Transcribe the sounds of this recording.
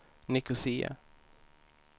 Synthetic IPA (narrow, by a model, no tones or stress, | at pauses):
nɪkʊsiːa̰